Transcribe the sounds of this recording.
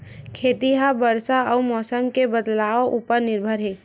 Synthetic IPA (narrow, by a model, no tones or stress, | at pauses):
kʰeːt̪iɦabəɾsaəmɔːsəmkebəd̪laːoʔupəɾnɪɾbʱəɾɦeː